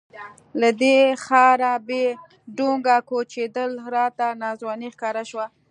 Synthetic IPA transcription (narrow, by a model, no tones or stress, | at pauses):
lad̪exɑɾabe | ɖoŋɡakot͡ʃed̪əlɾɑt̪anɑzwɑnixkɑɾaʃwa